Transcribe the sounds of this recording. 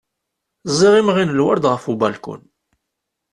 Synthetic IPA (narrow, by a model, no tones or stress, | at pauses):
zˤːiʁimʁinəlwa̰ɾd̪ʁəfubɑlkʊ̰n